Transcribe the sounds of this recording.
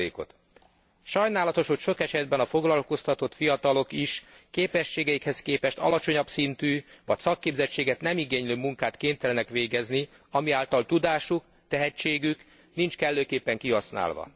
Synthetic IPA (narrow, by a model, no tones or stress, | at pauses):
ḛːko̞̰t̪ | ʃɒjnaːlɒt̪o̞ʃho̞cʃo̞kɛʃɛd̪bɛnɒfo̞ɡlɒlko̞st̪ɒt̪o̞t̪fijɒt̪ɒlo̞kiʃkeːpɛʃːeːɡɛjikhɛskeːpɛʃt̪ɒ̰lɒt͡ʃo̞ɲɒbsint̪yːʋɒcsɒkːeːbzɛct͡ʃːeːɡɛt̪nɛmiɡeːɲløːmuŋkaːt̪keːnt̪ɛlɛnɛkʋeːɡɛzni | ɒmiaːlt̪ɒlt̪ud̪aːʃuk | t̪ɛɦɛt͡ʃːeːɡyk | nint͡ʃkɛlːøːkeːpːɛŋkiɦɒsna̰ːlʋɒ̰